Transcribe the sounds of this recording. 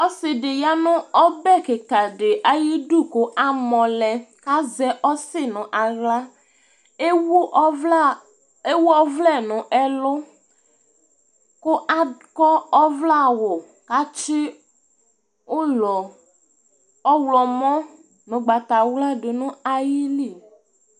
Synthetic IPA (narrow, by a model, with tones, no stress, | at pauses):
ɔ˦sɪ˨ɖɪ˨ja˦nʊ̃˦ɔ˦bɛ˦˨kɪ˨ka˨ɖɪ˨ʔa˨ji˦ɖu˦˨kʊ˦ʔa˦mɔ̃˨lɛ˨ka˦zɛ˦ʔɔ˦sɪ˦nʊ̃˨ʔa˨ɣla˦ | wu˦ | e˦wu˦ɔ˦vlɛ˦˨nʊ̃˨ʔɛ˦lʊ˦ | ko˦a˦kɔ˦ɔ˦vla˦wo˨ | ka˦t͡ʃɪ˦ | wo˦lɔ˨ | ɔ˦wlɔ˨mɔ̃˦ | nʊ̃˨ɡ͡ba˨t̪a˨wla˦ɖe˨nʊ̃˦a˦ji˦li˦˨